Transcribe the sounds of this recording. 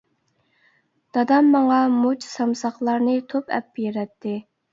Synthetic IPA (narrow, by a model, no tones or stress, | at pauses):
d̪̥ɑd̪ɑmːɑŋɑmot͡ʃʰsɑmsɑχlˠɑɾnɨt̪ʰopɛ̰p̚ːjeɾɛt̪ʰːɪ